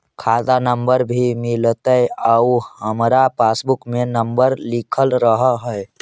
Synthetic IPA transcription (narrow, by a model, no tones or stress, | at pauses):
kʰad̪anəmbəɾbʱimilt̪əjauhəmɾapasbukmenəmbəɾlikʰəlɾəɦəɦə